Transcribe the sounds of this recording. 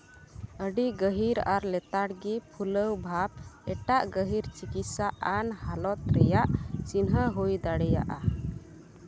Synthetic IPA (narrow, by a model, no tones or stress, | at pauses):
əɖiɡəɦiɾaɾlɛt̪aɽɡipʰuləwbʱab̚ɛʈaʔɡəɦiɾt͡ʃikit̪saʔanhalɔt̪̚ɾɛjaʔt͡ʃinɦəɦujd̪aɽɛja̰ʔa